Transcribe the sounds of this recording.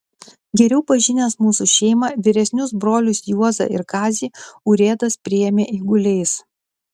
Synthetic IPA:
ɡʲɛɾʲɛʊpɐʒʲɪnʲeːsmuːsuʃʲɛɪmɐʋʲɪɾʲɛsʲnʲʊsbɾoːlʲʊsjuɔzɐ̰ʔɪ̰ɾkɑːzʲiːʊɾʲeːd̪ɐspʲɾʲɪjɛmʲeːʔiːɡʊlʲɛɪs

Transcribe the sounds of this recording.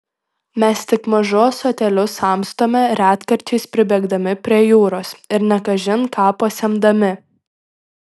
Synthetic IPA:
mʲɛst̪ʲɪkmɐʒoːsoːt̪ʲɛlʲʊsɐˑmst̪oːmʲɛɾʲæːt̪kɐɾʲt͡ʃʲɛɪspʲɾʲɪbʲɛɡd̪ɐmʲɪpʲɾʲiɛjuːɾoːsɪɾnʲɛkɐʒʲɪnkʰɑːpɐsʲɛmd̪ɐmʲɪ

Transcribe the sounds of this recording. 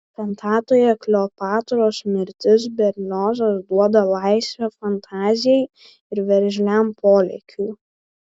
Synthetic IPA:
pʲɛnt̪ʰɑːt̪oːjɛklʲoːpɑːt̪oɾoːsmʲɪɾʲt̪ʲɪs̬bʲɛɾʲlʲoːzɐsd̪uɔd̪ɐlˠɑɪsʲʋʲɛfɐnt̪ʰɑːzʲɪjɛɪ | ɪɾʋʲɛɾʲʒʲlʲæmpʰoːlʲɛ̰kʲʰuː

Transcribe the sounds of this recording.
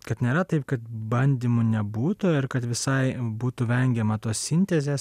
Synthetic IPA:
kɐt̪nʲeːɾɐt̪ɐɪp̚kɐt̪̚bɐnʲd̪ʲiːmunʲɛbuːt̪ʊɪɾkɐt̪ʋʲɪsɐɪbuːt̪uʋʲɛŋʲɡʲɛmɐt̪oːssʲɪnʲt̪ʲɛzʲeːs

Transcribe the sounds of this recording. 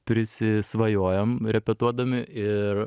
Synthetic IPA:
pʲɾʲɪsʲɪsʋɐjoːjɛmɾʲɛpʲɛt̪uɔd̪ɐmʲɪʔɪɾ

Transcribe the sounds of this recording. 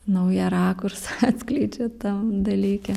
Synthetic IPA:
nɐʊjɛɾɑːkʊrsɐɑt̪ʲsʲklʲɛɪd͡ʒʲoːt̪ɐmd̪ɐlʲiːkʲɛ

